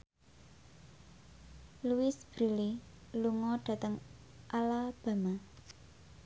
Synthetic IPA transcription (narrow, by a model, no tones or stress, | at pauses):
luɪsb̥ɾililuŋɔɖ̥a̤t̪əŋ | ʔalab̥a̤ma